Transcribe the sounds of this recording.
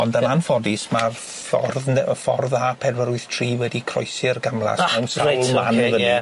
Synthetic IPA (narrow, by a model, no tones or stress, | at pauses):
ɔndənanfɔdɪsmar | fɔ̰rðnɛəfɔ̰rðaːpʰɛdwəɾʊɨθtʰriːwɛdikʰrɔ̰ɨsɪrɡamlˠa̰snɛwnsawlˠmanvəi